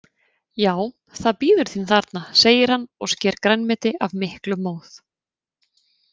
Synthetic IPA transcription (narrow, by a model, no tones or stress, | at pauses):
jaːw | θaðpiːðʏɾ̥θinθaɾt̪naseːjɪɾ̥hanːɔɣscɛːɾkɾanmɛt̪ɪavmɪhklʏmːoːwθ